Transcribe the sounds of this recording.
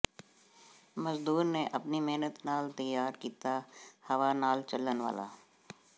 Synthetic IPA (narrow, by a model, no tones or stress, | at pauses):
mɐzd̪uːɾneʔɐpnimeɦnət̪naːlt̪ɐjːaːɾkiːt̪ahɐʋanaːlt͡ʃɐlənʋa̰ːla̰ː